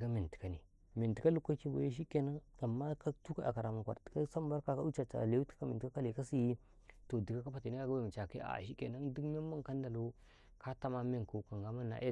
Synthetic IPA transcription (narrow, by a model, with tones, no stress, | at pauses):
ka˦mi˨n˨ti̥˨ka˨ni˨ | mi˨n˨ti˨ka˦lu˦kʷːa˦ki˦bo̰˨ja˦ʃ̬i˦ke˦na˦ŋa˨mːa˦ka˦tu˦ka˨a̰˨ka˨ɾa˨ma˨kʷa˨tka˦sa˦m˦ba˦ɾka˨ka˦u˦t͡ʃa˨t͡ʃa̰˨le˦u˦tḁ˦a˦mi˨tka˦ka˦le˨ka˦si˦ji˦ | to˨di˨ɡa˦ka˦pa˨ti˨ni˦ka˦˨ɡa˦ba˦˨m˨t͡ʃa˨kḛ˦a̰˨ʃi˦kḛ˨na˦ŋdi˦kme˦ma˦ŋka˦n˦da˨lo˦ | ka˦ta˦ma˦me˦ŋ˨ko˨˦ka˨ŋɡa˦ma˦na̰˨ʔe˦